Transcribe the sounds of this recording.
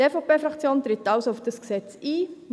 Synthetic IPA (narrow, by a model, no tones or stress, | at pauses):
eːfopeːfrɑkt͡sjoːntrɪtːɑwsoʊfd̥əsɡsɛt͡siː